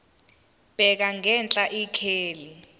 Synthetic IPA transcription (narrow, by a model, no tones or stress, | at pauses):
b̥ʱɛk̬aŋɡɛnt͡ɬʼaʔikʰeːli